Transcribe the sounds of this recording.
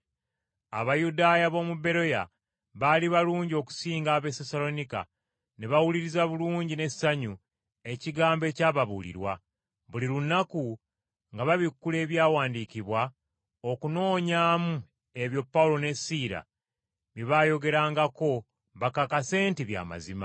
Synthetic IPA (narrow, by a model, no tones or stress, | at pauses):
a̰βajudaːjaβo̞mube̞ɾo̞ja̰ | βaliβaluːɲɟio̞ku̥siːŋɡaːβe̞sesalo̞nika̰ | neβawuliɾizaβuluːɲɟine̞saɲu | e̞ciɡaːmbe̞ːcaːβaβṵlḭɾwa̰ | βuliɾunːaku | ŋɡaβaβikːule̞ːβjaːwaːndiciβwa | okuno̞ːɲaːmu | e̞βjo̞pːawulo̞ne̞siːɾa̰ | βiβajo̞ɡe̞ɾaːŋɡako̞ | βakakase̞ːntiβja̰ːma̰zima